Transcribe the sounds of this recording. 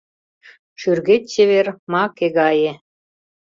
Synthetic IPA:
ʃyrɣetʲt͡ɕeβermɑkeɣɑje

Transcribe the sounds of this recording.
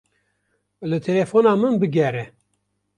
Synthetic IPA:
lɨt̪ʰelefoːnɑːmɨnbɨɡʲɛɾɛ

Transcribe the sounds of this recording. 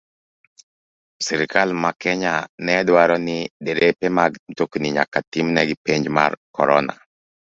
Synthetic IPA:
siɾkʰalmakɛɲanɛdwaɾɔnɪdeɾepɛmaɡtokniɲa̰katimnɛɡipeɲd͡ʒma̰rkɔɾɔna̰

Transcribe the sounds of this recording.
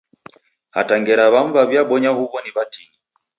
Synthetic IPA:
ha̰taŋɡɛɾaβaɱ̩vaβjaɓɔɲahuβɔniβatini

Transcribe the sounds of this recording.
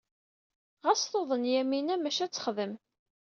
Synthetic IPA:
ʁæsθoðˤənjæminæmæʃæt͡sːə̥χðəm

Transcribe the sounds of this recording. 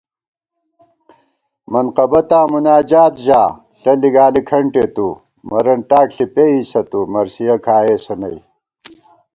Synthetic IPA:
mɐnqɐbɐt̪aːmunaːd͡ʑaːt̪ʑaː | ɬɐliɡaːlikʰɐɳʈet̪u | mɐɾɐnʈaːkɬipeiːsɐt̪umɐɾsijɐkʰaːeːsɐnɐ̰j

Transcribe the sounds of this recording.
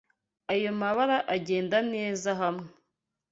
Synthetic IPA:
ajo̞maβaɾaʔaɟe̞ːndane̞ːzaɦamŋee

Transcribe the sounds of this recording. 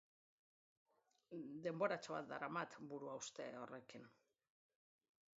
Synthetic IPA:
d̪e̞mbo̞ɾat͡ʃoβa̰t̪̚d̪a̰ɾamat̪buɾuawst̪e̞̰o̞re̞kin

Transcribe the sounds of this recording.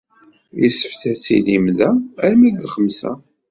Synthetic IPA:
jəsə̥fθæt͡sḭlimðææɾmid̪χəmsæ̰

